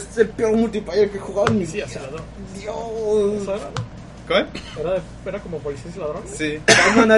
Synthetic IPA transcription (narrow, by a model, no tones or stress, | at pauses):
st̪epeoɾmult̪iplajeɾkexuɣaβaniaslaðo | d̪josaβeɾao | keeeɾae | eɾakomopolisenselaðɾonsieana